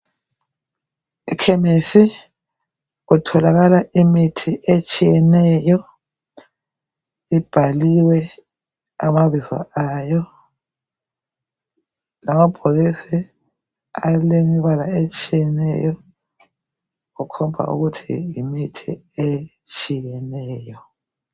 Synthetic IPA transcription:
ikʰɛmesi | ɣutʰɔlaɣalaʔimitʰiʔet͡ʃʼijɛnɛjɔ | ib̥ʱaliwɛ | amaβizwa̰aːjɔ | lamab̥ʱoɣisi | alemiβalaet͡ʃʼijɛnɛ̰jɔ | ɣukʰɔmbʱa̰ʔṵɣutʰḭjimitʰḭe | t͡ʃʼijɛnɛːjɔ

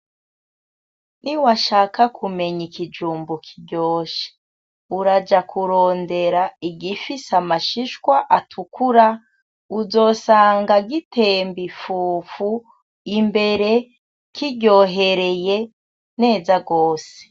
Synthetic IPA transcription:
niwaʃaːkakʰume̞ɲikid͡ʒuːmbukʰiɟo̞ːʃe̥ | uɾad͡ʒakuɾo̞ːnde̞ɾaiɟifisamaʃiʃkwaʔatʰukuɾa | uzo̞ːsaːŋɡaɡite̞ːmbifuːfu | imbe̞ɾe̞ | kiɟo̞ɦe̞ɾe̞je̞ | ne̞ːzaɡo̞ːse̥

